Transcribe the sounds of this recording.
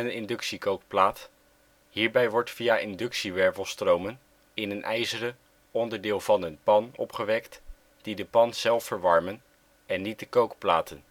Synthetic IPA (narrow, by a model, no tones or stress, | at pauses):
nənɪndɵksikowk̚plaːt | ɦiːɹbɛjʋɔɹtfiaʔɪndɵksiʋɛɹvəlˠstrowmən | ɪnənʔɛjzərə | ɔndəɹdɪːlˠvɑnənpɑnɔ̰pχəʋɛkt | d̥idəpɑnz̥ɛlˠfəɹʋɑɹmən | ɛnːit̚dəkowkplaːtən